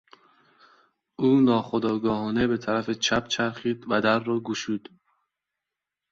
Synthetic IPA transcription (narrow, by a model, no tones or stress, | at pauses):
uːnɒːχod̪ɒːɡɒːɦɒːnebet̪ʰæɾæfet͡ʃʰæpt͡ʃʰæɾxiːd̪væd̪æɾːɒːɡuʃuːd̪̥